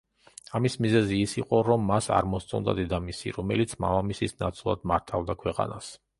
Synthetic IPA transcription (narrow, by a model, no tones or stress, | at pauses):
amismizɛziːsiqʼɔɾɔmːasa̰ɾmɔst̪sʼɔnd̪a̰d̪ɛd̪amisḭɾɔmɛlit̪sʰma̰vamisisnat̪sʼulˠa̰d̪maɾt̪ʰavd̪akʰwɛqʼa̰nas